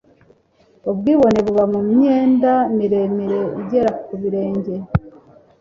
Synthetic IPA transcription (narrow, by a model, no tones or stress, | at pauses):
obɡiːβo̞ne̞βuβamumɲe̞ːndamiɾe̞miɾe̞iɟe̞ɾakuβiɾe̞ːɲɟe̞